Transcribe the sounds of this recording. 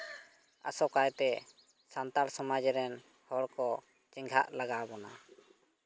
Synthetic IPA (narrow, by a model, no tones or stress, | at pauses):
a̰sɔkajt̪ɛ | sant̪alsɔmad͡ʒɾɛn | hɔɽkɔ | t͡ʃiŋɡʱa̰ʔlaɡabɔna